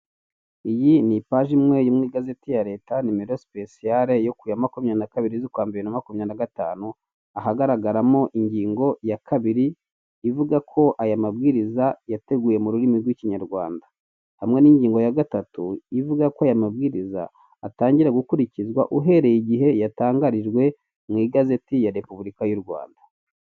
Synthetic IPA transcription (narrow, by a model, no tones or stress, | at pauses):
ijinipaʒimŋe̞jumŋiːɡaze̞tijaɾe̞ːtanimiɾosi̥pe̞siaɾe̞jo̞kujamakumɲanakaβiɾizikwaːmbeɾinamakumɲanaɡataːnu | aɦaɡaɾaɡaɾamo̞ʔiɲɟiːŋɡo̞jakʰaβiɾiː | vuɡakʰo̞ʔajamabɡiːɾizajate̞ɡuːje̞muɾuɾimiɾɡwiciɲaɾɡwaːnda | hamŋe̞niɲɟiːŋɡo̞jaɡatatuivuɡakoaːjamabɡiːɾiza̰ː | taːɲɟiɾaɡukuɾicizɡwaʔuɦe̞ɾejiɟiɦe̞jataːŋɡaɾiʒɡwe̞ | mŋwiɡaze̞tijaɾe̞puβuɾikajuɾɡwa̰ːnda